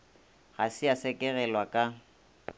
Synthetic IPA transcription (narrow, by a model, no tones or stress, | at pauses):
ɣasɪasɛkʼɛɣɛlwakʼa